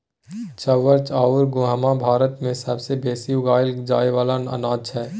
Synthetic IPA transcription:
t͡ʃəʋəɾt͡ʃaːʊɾɡʊɦəmabʱaːɾət̪mẽsəbsebeːsijuɡaːɪld͡ʒaːeʋaːlanə̰nãːt͡ʃɦɛː

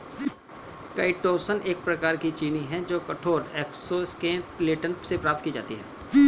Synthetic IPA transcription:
kɐːɪʈoːsənʔeːk̚pɾɐkaːɾkit͡ʃiːniɦɛ̃d͡ʒoːkɐʈʰoːɾɛːksoskẽːpleːʈənsepɾaːp̚t̪̚kiːd͡ʒa̰ːt̪iɦɛː

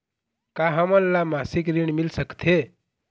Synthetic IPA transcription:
kaɦəmənːamasikɾiɳ̃milsəkt̪ʰe

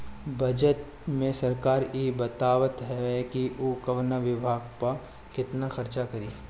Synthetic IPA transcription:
bʱɐd͡ʒət̪ | mẽsɐɾkaːɾjeːbɐt̪aːʋət̪ɦɛkioːkɐʋnaʋɪbʱaːɡ̚pɐ | kɪt̪naxɐɾt͡ʃakɐɾiː

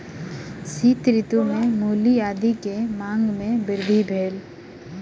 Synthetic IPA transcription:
siːt̪ɾɪt̪umẽmuːliaːd̪ikemãːŋɡmẽbɪɾd̪ʱibʱeːl

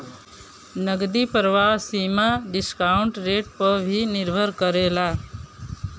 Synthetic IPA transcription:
nəɡd̪ipəɾʋaɦsimaɖɪskauɳʈɾeʈ̚pəɾbʱinɪɾbʱəɾkəɾela

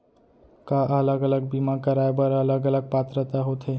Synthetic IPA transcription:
kaʔələɡələɡ̚bimakəɾaebəɾələɡələɡ̚pat̪ɾət̪aɦot̪ʰɦe

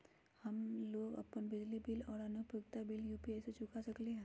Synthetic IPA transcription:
hɐmloːɡɐ̰pənbɪd͡ʒlibɪlɔːɾɐnʊpəɡt̪abɪljuːpiaːset͡ʃʰʊkasɐkleɦɛ̃ː

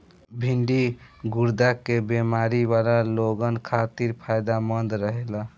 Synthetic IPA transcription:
bʱiɳɖiɡuɾd̪akebemaɾibalaloɡənkʰat̪iɾpʰajd̪amənd̪ɾəɦela

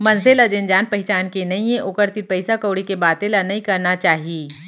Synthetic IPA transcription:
mɐnselɐd͡ʒẽnd͡ʒaːnpɐɦɪt͡ʃaːnkenɐĩẽʔʊkəɾt̪iɾpɛɪsakoːɽikebaːt̪ẽlɐnɐĩkɐɾnat͡ʃaːɦiiː

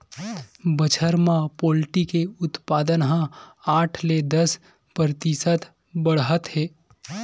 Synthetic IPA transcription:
bət͡ʃʰəɾmãpoːlʈikeʊt̪paːd̪ənɦãaːʈʰled̪əs | pɾt̪isət̪ | bəɽɦət̪heː

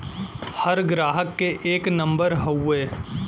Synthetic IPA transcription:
hɐɾɡɾaːɦəkːeʔeːknɐ̃mbəɾɦɐweː

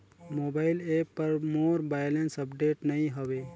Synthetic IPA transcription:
mobaːɪleːpːəɾmoːɾbajlensəpɖeːʈnəĩɦoʋeː

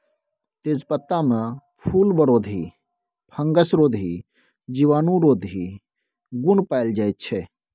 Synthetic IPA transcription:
t̪ezpɐt̪ːamə̃pʰuːlbəɽoːd̪ʱiː | pʰɐ̃ŋɡəsɾoːd̪ʱɦi | d͡ʒiʋaːnũɾoːd̪ʱi | ɡʊnpaːɪld͡ʒaːjt̪̚t͡ʃʰe

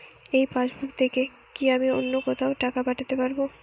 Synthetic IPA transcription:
ejpaʃbukt̪ʰeke | kiamionːokɔt̪ʰaoʈakapaʈʰat̪epaɾbo

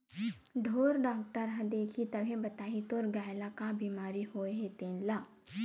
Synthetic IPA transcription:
ɖʱoːɾɖaːk̚ʈəɾɦɐ̃d̪eːkʰit̪ɐbʱẽbɐt̪aːit̪oːɾɡaːjlakabiːmaːɾihoːeɦet̪ẽːnlaː

